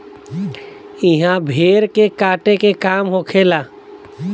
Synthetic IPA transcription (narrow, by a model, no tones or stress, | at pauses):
ɪɦãbʱeːɾkekaːʈekekaːmɦokʰeːlaː